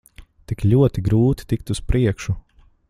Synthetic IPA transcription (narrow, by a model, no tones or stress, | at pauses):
t̪ikʎʲuɔt̪iɡɾuːt̪i̥t̪ik̚t̪uspɾiɛkʃu